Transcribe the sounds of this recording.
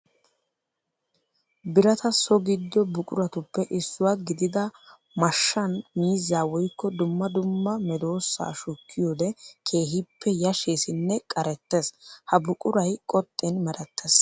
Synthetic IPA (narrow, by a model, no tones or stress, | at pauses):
bɪɾɐt̪ɐsɔɡɪd̪ːɔbʊkʼʊɾɐt̪ʊpːɛʔɪsːʊwaɡɪd̪ɪd̪ɐ | mɐʃːɐnmiːzːaːwɔjkːɔd̪ʊmːɐd̪ʊmːɐmɛd̪o̞ːsːa̰ːʃʊkːɪjoːd̪ɛkʰe̞ːɦɪpʰːɛjɐʃe̞ːsɪnːɛkʼɐɾɛt̪ːe̞shɐbʊkʼʊɾɐjkʼɔt̪ʼːɛnmɛɾɛt̪ʰːes